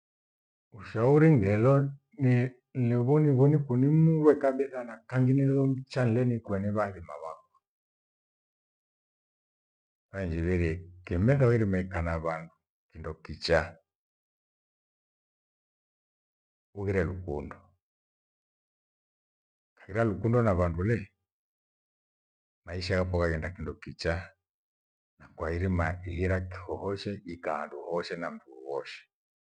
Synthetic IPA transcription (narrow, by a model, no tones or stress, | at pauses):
uʃauɾiŋɡɛlɔ | ni | lɛβɔniβɔnikunimuɾwɛkambɛθanakaŋɡinilɔmt͡ʃan̩ilɛnikwɛniβaðima̰βakwa | βaɲd͡ʒiβiɾikɛmɛðawiɾimɛkanaβandu | kindɔkit͡ʃa | uɣiɾɛlukundɔ | kḁhiɾalukundɔnaβandulɛ | maiʃakapɔkaɡɛndakindɔkit͡ʃa | nakwaiɾimaihiɾaki̥hɔhɔʃɛikaanduhɔʃɛnam̩duuwɔʃɛ̥